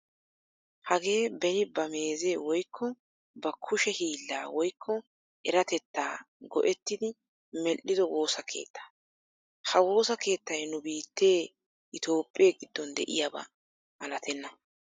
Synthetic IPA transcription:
hɐɡe̞ːbɛnɪbɐme̞ːze̞ːwɔjkʰːɔ | bɐkʰʊʃɛhiːlːaːwɔjkʰːɔ | ʔɛɾɐt̪ɛt̪ːaː | ɡɔ̰ʔɛt̪ːɪd̪ɪ | mɛʔːɪd̪ɔwo̞ːsɐkʰe̞̰ːt̪ːḁ | hɐwo̞ːsɐke̞ːt̪ːɐjnʊbiːt̪ːe̞ː | ʔɪt̪o̞ːpʼːe̞ːɡɪd̪ːɔnd̪ɛ̰ʔɪ̰jabɐ̰ | ʔɐlɐt̪ʰɛnːɐ

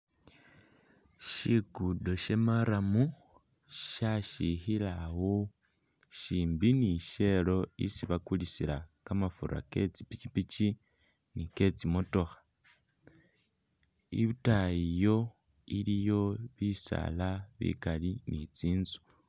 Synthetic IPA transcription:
ʃiɡudo̞ʃe̞maɾamu | ʃaʃixilawo | ʃiːmbiniʃe̞lo̞ḭsiβakulisilakamafuɾa̰ke̞̰t͡si̥pit͡ʃipit͡ʃi | nike̞t͡simo̞to̞xḁ | ḭβutajijo̞ | ilijo̞βisa̰laβḭkalinit͡siːnzu̥

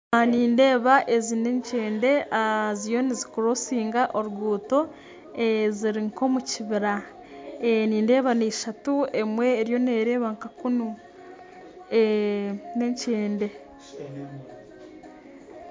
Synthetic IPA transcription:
aniːnde̞ːβaʔe̞zine̞ɲceːnde̞azijo̞nizi̥kuɾosiːŋɡaʔoɾuɡuːto̞ | eziɾiŋko̞muciβiɾa | eniːnde̞ːβaneiʃatue̞mwe̞ːɾjo̞ne̞ːɾe̞ːβaŋkakunu | e | ne̞ɲceːnde̞

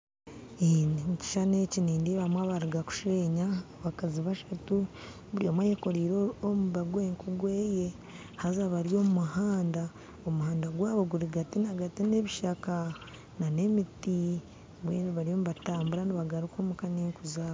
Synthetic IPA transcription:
inimuci̥ʃaneciniːndiβamwaβaɾiɡaku̥ʃeɲaβakaziβaʃatu | βuɾiomwajeko̞ɾiːɾoomuβaɡweːŋkuɡweːje̞ | hazaβaɾijo̞mumuhaːnda | omuhaːndaɡwaːβoɡuɾiɡatinaɡatineβiʃaka | nane̞miti | βweːniβaɾijo̞muβataːmbuɾaniβaɡaɾukomukaɲeːŋkuzaːβo

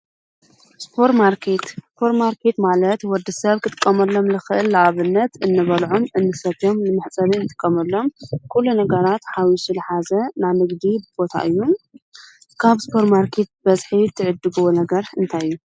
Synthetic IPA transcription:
spʰo̞ɾt̪maɾkʰet̪spʰo̞ɾmaɾkʰet̪malɐt̪wɔd̪ɨsɐβkʰɨt̪ʼɨ̥kʼːɐmɐlːo̞mlɨxɨʔɨlːaʔaβɨnːɐt̪ʔɨnːɨβɐlʕomʔɨnːɨsɐt̪o̞mnɨmɨħt͡sʼɐβinɨt̪ʼɨ̥kʼːɐmɐlːo̞mkʰulunɐɡɐɾat̪ħawisulɨħazɐnanɨɡd̪ibɨbo̞t̪ʰa̰ʔɨjːu | kʰaβspʰo̞ɾmaɾkʰet̪̚bɐzħit̪ʰːɨʕɨd̪ːɨɡuwonɐɡɐɾɨnt̪ʰajɨjːu

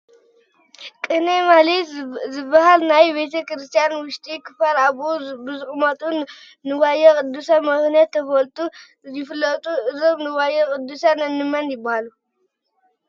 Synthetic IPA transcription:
kʼɨnemalizɨbːahalnajbet̪ʰɐkɾɨst̪ʰijanwʊʃt̪ʼikʰɨfalaβubɨzɨχʼmɐt̪ʼu | nɨwajːakʼɨd̪ːusamɐxnijat̪ʰːɐfɐlt̪ʼu | jɪfɨlːɐt̪ʼuɨzomnɨwajːɐkʼɨd̪ːusanɐnːɨmanjɪbːahalu

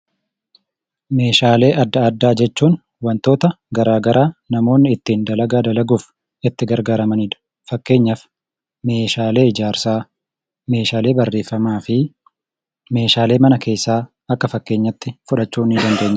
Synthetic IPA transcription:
me̞ːʃaːle̞ːʔɐd̪ːɐɐd̪ːaːd͡ʒɛt͡ʃːuːn | wɐnt̪o̞ːt̪ɐ | ɡɐɾaːɡɐɾʔaːnɐmo̞ːnːɪɪt̪ːiːnd̪ɐlɐɡaːd̪ɐlɐɡuːf | ɪt̪ːɪɡɐɾɡaːɾɐmɐniːᶑ̪̥ | fɐkːe̞ːɲːɐf | meːʃaːle̞ːɪd͡ʒaːɾsaː | me̞ːʃaːle̞ːbɐrːe̞ːfːɐmaːfɪ | me̞ːʃaːle̞ːmɐnɐke̞ːsːaː | ɐkːɐfɐkːeːɲːɐt̪ːɪfʊᶑɐt͡ʃːuːnːɪd̪ɐnd̪eːɲːɪ

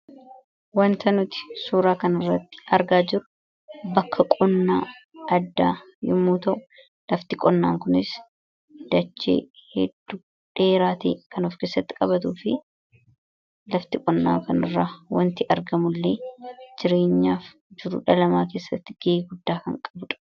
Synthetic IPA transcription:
wɐnt̪ɐnʊt̪ɪ̥suːɾaːkɐnɪrːɐt̪ːɪ̥ɐɾɡaːd͡ʒɪɾʊ̥ | bɐkʰːɐkʼɔnːaːɐd̪ːaː | jɪmːuːt̪ɐʔʊ | lɐft̪ɪkʼɔnːa̰ːŋkʊnɪs | d̪̥ɐt͡ʃːḛːhɛd̪ːu | ᶑe̞ːɾaːt̪ḛːkʰɐnoːfke̞ːsːɐt̪ːɪ̥kʼɐβɐt̪̬uːfɪ | lɐft̪ɪkʼɔnːa̰ːŋkɐnɪ̰rːaːwɐnt̪ɪʔɐɾɡɐmʊlːeːd͡ʒɪɾe̞ːɲːaːf | d͡ʒɪɾʊ̰ᶑɐlɐmaːke̞ːsːɐt̪ːɪɡ̥eɡʊd̪ːaːkɐ̰ŋkʼɐbʊᶑɐ̥

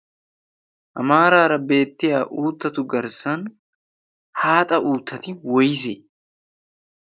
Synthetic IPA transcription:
ʔɐ̰maːɾaːɾɐbe̞ːt̪ːɪjaːʔuːt̪ːɐt̪ʊɡɐɾsɐn | haːt̪ʼɐʔuːt̪ːɐt̪ɪwɔjɪse

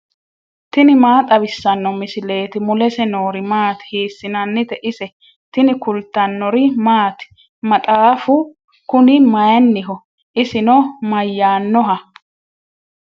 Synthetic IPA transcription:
t̪ɪnɪmaːt̪ʼɐbɪsːɐnːɔmɪsɪle̞ːt̪ɪmʊlɛsɛno̞ːɾɪmaːt̪ɪ̥hiːsːɪnɐnːɪt̪ɛʔɪsɛ | t̪ɪnɪkʊlt̪ːɐnːɔɾɪmaːt̪ | mɐt̪ʼaːfʊ | kʊnɪmɐjɐnːɪɦɔ | ʔɪsɪnɔmɐjːaːnːɔɦɐ

